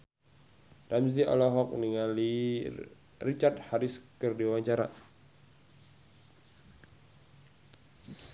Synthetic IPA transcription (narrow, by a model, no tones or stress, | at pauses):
ramz̬iʔɔ̰lɔɦɔk̚niŋali | rit͡ʃart̪̚haɾiskərdiwaɲt͡ʃaɾa̰